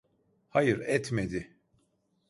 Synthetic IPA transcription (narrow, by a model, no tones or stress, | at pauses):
hajɯɾɛt̪med̪ɪ